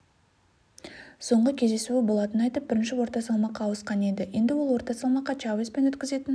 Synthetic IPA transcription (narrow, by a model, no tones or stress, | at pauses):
so̞ɴʁəkʲʰe̞zd̪e̞suɪbo̞lˠɑt̪ənnɑjt̪əp̚bɪɾɪnʃɪwo̞ɾt̪ɑsɑlˠmɑqːɑwəsqɑne̞d̪ɪje̞nd̪ɪwo̞lˠwo̞ɾt̪ɑsɑlˠmɑqːɑt͡ʃɑwespe̞nwɵt̪kʲɪze̞t̪ɪn